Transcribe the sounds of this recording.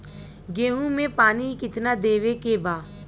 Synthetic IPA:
ɡeːɦũmẽpaːnikɪt̪nad̪eːʋekebaː

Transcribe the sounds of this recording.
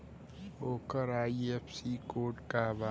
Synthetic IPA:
oːkəɾaːiefsiːkoːʈkaʋaː

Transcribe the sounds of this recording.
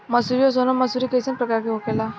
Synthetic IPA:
məsuɾijɔs̬onɔməsuɾikesənpɾəkaɾkeɦokela

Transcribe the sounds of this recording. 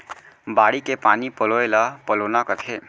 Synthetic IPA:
baːɽikepaːnipəloelapəloːnakət̪ʰe

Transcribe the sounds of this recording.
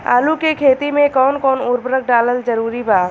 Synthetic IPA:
a̰ːlukekʰeːt̪imẽkɔːnkɔːnʊɾbɾək̚ʰɖaːləld͡ʒəɾuːɾibʱaː

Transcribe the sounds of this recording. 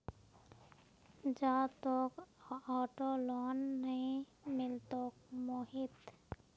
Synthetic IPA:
d͡ʒaːt̪oːkɔːʈoloːnːəĩ | mɪlt̪oːkmoːɦɪt̪

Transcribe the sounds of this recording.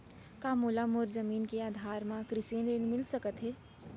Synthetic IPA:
kaːmoːlamoːɾzəmiːnkeaːd̪ʱaːɾmãkɾɪseːnenmɪlsəkət̪ɦɛː

